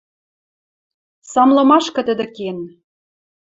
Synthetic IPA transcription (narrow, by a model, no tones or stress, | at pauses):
sɑmlɤ̆mɑʃkɤ̆t̪ə̆d̪ĕken